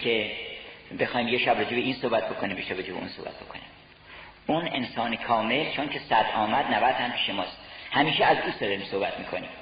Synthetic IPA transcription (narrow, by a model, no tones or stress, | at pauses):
kʰe̞ | be̞xɒːjmjeʃæbrod͡ʒebeiːnsohbæt̪̚b̥o̞kʰonimjeʃæbɾod͡ʒebeʔṵnsohbæ̰t̪bo̞kʰo̞nḭm | unḛnsɒːnekʰɒːme̞lt͡ʃʰoncʰe̞sæd̪ɒːmæd̪nævæd̪hæmpʰiːʃemɒːst̪hæmiːʃeæzuːsd̪ɒd̪ɒɾiːmsohbæt̪ʰmiːkʰo̞̰nḭːm